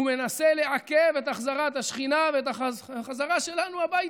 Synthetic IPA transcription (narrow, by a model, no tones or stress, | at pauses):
ume̞nase̞le̞ʕakevet̪aχzaʁat̪aʃχinaveet̪aχazaʁaʃe̞lanuabaji